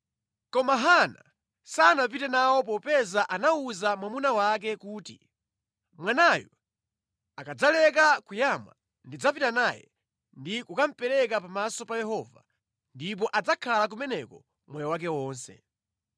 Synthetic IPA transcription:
kɔmaɦana | sanapitɛnawɔp̬ɔpɛzaʔanauzamwamunawakɛkuːtḭ | mwanajɔ | akad͡zalɛk̬akujamwa̰ | ndid͡zapitanajɛ̰ | ndikukam̩pɛɾɛkapamasɔpajɛɦɔva̰ | ndip̬ɔʔad͡zakʰalak̬umɛnɛkɔ | mwɛjɔwak̬ɛwɔːnsɛ̰

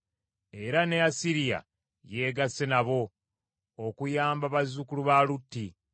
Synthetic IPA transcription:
e̞ɾaneasiɾija̰ | je̞ːɡasːe̞naβo̞ː | kujaːmbaβazukuluβaːlutːi

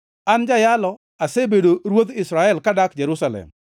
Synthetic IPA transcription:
and͡ʒajalɔ | asebedoɾwot̪ɪsɾaɛlkadakd͡ʒeɾʊsalɛ̰m

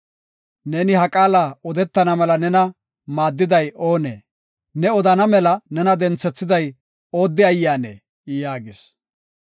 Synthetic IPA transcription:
neːnɪhɐkʼaːlaːɔd̪ɛt̪ːɐnɐmɛlɐnɛnɐ | maːd̪ːɪd̪ɐjo̞ːnḛː | nɛɔd̪ɐnɐmɛlɐnɛnɐd̪ɛnt͡sːɛt͡sːɪd̪ɐj | oːd̪ːɪɐjːaːnḛː | jaːɡɪs

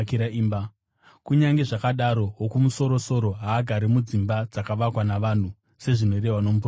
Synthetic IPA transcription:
kiɾaiːmba | kuɲaŋɡe̞ʐakaɗaɾo̞ɦokumuso̞ɾo̞so̞ɾo̞ɦaːɡʱaɾimud͡zimbad͡zakaʋakwanaʋan̤u | se̞ʐino̞re̞ɦwano̞mup

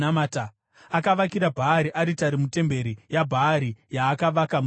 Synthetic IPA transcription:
amaːta | akaʋakiɾabʱaːɾiʔaɾitaɾimute̞mbe̞ɾijabʱaːɾijaːkaʋakam

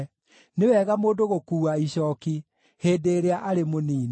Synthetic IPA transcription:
newɛːɣamoːndoɣokuːaiɕɔːki | heːdeɾeaʔaɾemoniːn

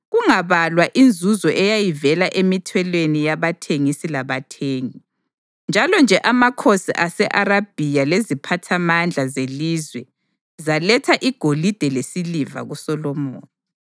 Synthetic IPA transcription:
ɣuŋaβalwaʔind͡zʱuzɔʔɛjajivɛlaʔemitʰwɛlwenijaβatʰeŋisilaβatʰeːŋi | nd͡ʒʱalɔnd͡ʒʱɛʔamakʰosḭʔasɛʔaɾab̥ʱijalezipʰatʰamand͡ɮʱazelizwɛ | zalɛtʰaʔiɡ̥ʱolid̥ʱɛlesiliva̰ɣusɔlɔmo̰ːnɔ

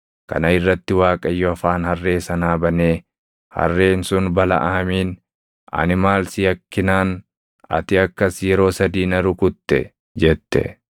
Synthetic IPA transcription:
kɐ̰nɐɪrːɐt̪ːɪwaːkʼɐjːɔɐfaːnhɐrːe̞ːsɐnaːbɐneː | hɐ̰rːe̞ːnsʊnbɐlɐ̰ʔaɐmiːn | ʔɐ̰nɪmaːlsɪjɐkːɪnaːn | ɐ̰t̪ɪɐkːɐsjɛɾo̞ːsɐd̪iːnɐɾʊkʊt̪ːɛ | d͡ʒɛt̪ːɛ̰

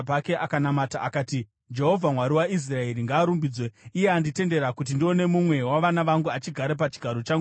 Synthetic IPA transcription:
pake̞ʔakanamataʔakaːti | d͡ʒe̞ɦo̞vʱamwaɾiwais̬rae̞ɾiŋɡaːɾumbiːd͡zwe̞ijeandite̞nde̞ɾakut̬indio̞ne̞mumwe̞waʋanaʋaŋɡuat͡ʃiɡʱaɾep̬at͡ʃi̥ɡʱaɾo̞t͡ʃaŋɡu

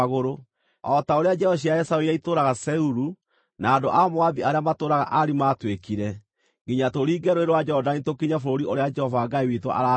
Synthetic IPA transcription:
ɣoɾo | ɔtaoɾead͡ʒɛhɔɕ̬iaɛsaoijaitoːɾaɣasɛuɾu | naːndo̰ʔamoaðiaɾeamatoːɾaɣa̰ʔaɾimaːtwekiɾɛ | ŋɡiɲatoɾiːɡɛɾoeɾwad͡ʒɛɔdanitokiɲafoɾoɾiʔoɾead͡ʒɛhɔvaːɡaiwitwɔ̰ʔa̰ɾa

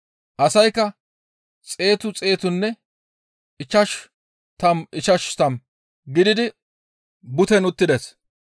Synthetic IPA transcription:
ʔɐsɐjkːɐ | t͡sʼe̞ːt̪ʊt͡sʼe̞ːt̪ʊnːɛ | ɪt͡ʃːɐʃ | t̪ɐmɪt͡ʃɐʃt̪ɐm | ɡɪd̪ɪd̪ɪ | bʊt̪ɛnʊt̪ːɪd̪ɛs

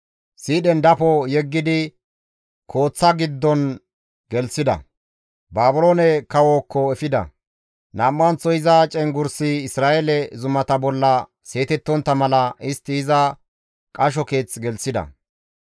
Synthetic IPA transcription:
siːɗɛnd̪ɐpɔjɛɡːɪd̪ɪ | kʰo̞ːt͡sːɐɡɪd̪ːɔn | ɡ̥ɛlsɪd̪ɐ̰ | baːbʊlo̞ːnɛkɐwoːkːɔɛfɪd̪ɐ̰ | naːmːɐnt͡sːɔɪzɐt͡ʃʼɛŋɡʊɾsɪɪsɾaːʔelɛzʊmɐt̪ɐbɔlːɐ | se̞ːt̪ɛt̪ːɔnt̪ːɐmɐlɐɪst̪ːɪːzɐ | kʼɐʃ̬ɔke̞ːt͡sɡɛlsɪd̪ɐ̰

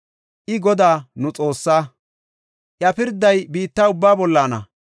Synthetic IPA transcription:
ʔɪɡɔd̪aːnʊt͡sʼo̞ːsːaː | ʔjɐpɪɾd̪ːɐjbiːt̪ːaʊbːaːbɔlːaːnɐ̰

